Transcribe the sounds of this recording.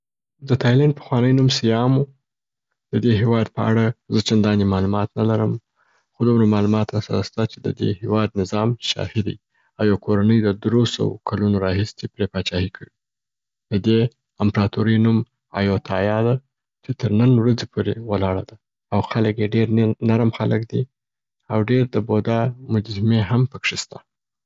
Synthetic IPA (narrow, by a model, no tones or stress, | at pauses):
d̪ət̪ʰɑjlanpə̥xwɑnəjnumsijɑmu | d̪̥əd̪eɦewɑd̪pəa̰ɽazət͡ʃand̪ɑnemɑlumɑt̪nalaɾəm | xod̪umɾamɑlumɑt̪ɾasaɾast̪at͡ʃed̪ə̰d̪ḛhewɑd̪nɪzɑmʃɑ̰hɪd̪a̰j | awjawkʰoɾanəjd̪əd̪ɾosə̰wo̰kʰalunoɾɑhisepɾepɑt͡ʃɑhikʰəwi | d̪əd̪e | ampɾɑt̪oɾəjnum | ɑ̰jot̪ʰɑjɑd̪a | t͡ʃet̪əɾnənwɾazepʰoɾewəlɑɽa̰d̪a | awxaləkjeɖeɾnaɾmxaləkd̪i | awɖeɾd̪əbod̪amʊd͡ʒzɪmeɦampəkʂest̪a